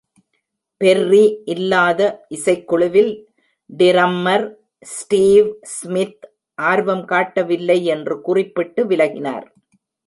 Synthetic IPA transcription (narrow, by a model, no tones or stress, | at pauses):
pɛrːiʔɪlːaːðɐʔɪsɐɪkːʊɭɯʋɪl | ɖɪɾɐmːɐɾ | sʈiːʋsmɪt̪ | ʔaːɾʋɐmkaːʈːɐʋɪlːɐɪɛndrɯkʊrɪpːɪʈːɯʋɪlɐɣɪna̰ːɾ